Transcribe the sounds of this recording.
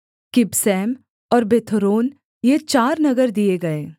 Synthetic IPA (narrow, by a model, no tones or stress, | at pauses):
kɪbsɛːm | ɔːɾbeːt̪ʰoɾoːn | jet͡ʃaːɾnɐɡəɾd̪ieɡɐeː